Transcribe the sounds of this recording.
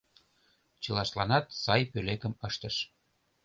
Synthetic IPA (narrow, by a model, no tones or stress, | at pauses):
t͡ɕə̆lɑʃlɑnɑt̪sɑjpølekəməʃt̪əʃ